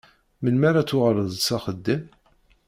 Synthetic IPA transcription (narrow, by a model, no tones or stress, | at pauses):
mənmaɾat͡sːʊʁəɾˤəðˤsæχəd̪ːəm